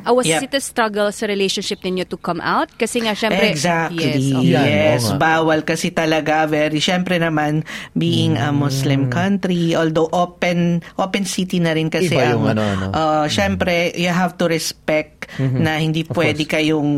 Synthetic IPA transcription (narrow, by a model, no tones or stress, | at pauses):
ʔɐwɐjɛɪt̪ɐst̪ɾɐɡɛlsɐɾɪlejʃõnʃɪp̚nɪnot̪ʊkɐmʔa̰wt̪̚kɐsɛŋaʃɛɾɛɡsak̚t̪lijjɛsbaːwɐlkɐsɛt̪ɐlɐɡavɛɾiʃɛmpɾɛnɐmanbiːʔɪŋɐmʊslɪmkʰɐnt̪ɾiʔoːld̪owʔopɛnʔoːpɛnsit̪inɐɾɪnkɐsɛɐŋɐnɐ̰ʔoʔʃɛmpɾɛjʊɦavt̪ʊɾɛspɛk̚t̪nɐhɪnd̪iːppwɛːd̪ɪkɐjoŋ